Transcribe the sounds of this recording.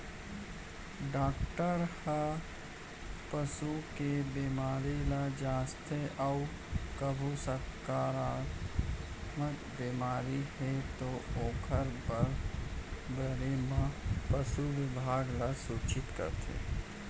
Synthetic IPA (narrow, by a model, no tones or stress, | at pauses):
ɖaːk̚ʈəɾha | pəsukebiːmaːɾilad͡ʒaːst̪ʰeʔaʊ | kəbʱusəɾkaːɾa | məkbemaːɾihɛt̪ooːkʰəɾbəɾ | bəɾemãpəsuʋɪbʱaːɡlasuːt͡ʃɪt̪kə̰ɾt̪ʰḛː